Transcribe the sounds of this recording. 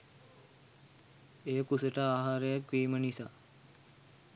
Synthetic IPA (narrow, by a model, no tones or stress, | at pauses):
ejəkusəʈəaːɦaːɾəjakʋiːmənisaː